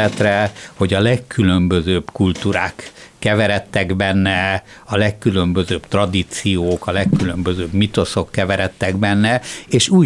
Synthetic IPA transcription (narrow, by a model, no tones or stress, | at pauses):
ɛt̪rɛho̞ɟɒlɛkːylø̞mbøzøːbkult̪uːɾaːkːɛvɛɾɛt̪ːɛɡbɛnːɛ | ɒlɛkːylø̞mbøzøːbt̪rɒd̪it̪sijoːkɒlɛkːylø̞mbøzøːbmit̪o̞so̞kːɛvɛɾɛt̪ːɛɡbɛnːɛeːʃuː